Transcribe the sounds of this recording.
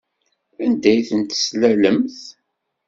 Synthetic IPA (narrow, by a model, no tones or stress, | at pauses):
ænd̪æjθənt̪slæləmθ